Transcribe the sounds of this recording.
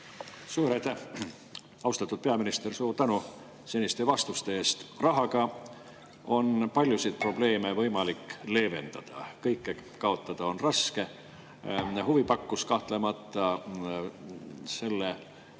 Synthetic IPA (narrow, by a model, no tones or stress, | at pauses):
suːɾɑjt̪æh | ɑust̪ɑt̪ːˑud̪̥̚pe̞ɑminist̪e̞rsuːɾt̪ænu | se̞nʲist̪e̞vɑst̪ust̪e̞eːst̪rɑɦɑɡɑ | o̞npɑlʲjusid̪̚pro̞ble̞ːme̞vɤjmɑlikːle̞ːve̞nd̪̥ɑd̪̥ɑ̰kɤjkːekɑo̞t̪ːˑɑd̪̥ɑo̞nrɑske̞ | huvipɑkːuskɑht̪le̞mɑt̪ːˑɑ | se̞lːe